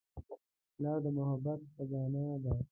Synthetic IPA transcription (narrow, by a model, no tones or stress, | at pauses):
lɑːd̪əmʊhabat̪̚pəɡɑːnab̪ɑː